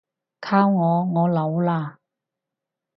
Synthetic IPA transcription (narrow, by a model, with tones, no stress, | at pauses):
kʰaː˥wŋɔː˨˧ŋɔː˨˧lɐ˨˥wlaː˧